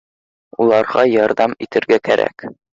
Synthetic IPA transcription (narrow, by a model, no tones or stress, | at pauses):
ulˠɑɾʁɑjɒɾd̪ɑmit̪ɘ̆ɾɡækæɾʔæ̰k